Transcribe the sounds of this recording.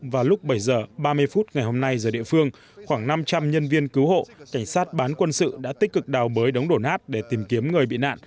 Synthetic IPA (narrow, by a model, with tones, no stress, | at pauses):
vaː˨˩lʊ˦˥k͡p̚ɓə˧˩jzəː˨˩ɓaː˧mɨ˧əjfu˦˥t̚ŋa˨˩jho˧mna˧jzəː˨˩ɗḭ˧˨əfɨ˧əŋ | xwaː˧˩ŋna˧mt͡ɕa˧mɲə˧nvi˧ənkɨ˨˦who̰˧˨ka˧˩jŋ̟saː˦˥t̚ɓaː˨˦nkwə˧nsɨ̰˧˨ɗa̰ː˧˥t̪i˦˥k̟̚kɨ˨˩k̚ɗaː˨˩wɓəː˨˦jɗə˨˦wŋ͡mɗo˧˩nʔaː˦˥t̚ɗe˧˩t̪i˨˩mki˨˦əmŋɨ˨˩əjɓḭ˧˨na̰ː˧˨n